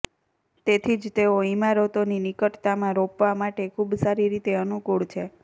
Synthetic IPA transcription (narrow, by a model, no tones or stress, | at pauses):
t̪et̪ʰid͡ʒt̪eoimaɾot̪oninikəʈt̪amãɾopʋamaʈekʰubsaɾiɾit̪eənukuɭt͡ʃʰe